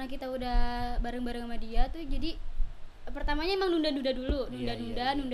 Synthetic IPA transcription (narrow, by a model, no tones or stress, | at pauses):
nakit̪audahbaɾaŋbaɾaŋamadiat̪ud͡ʒadi | pərt̪amaɲaemaŋnundanundadulunundanundanund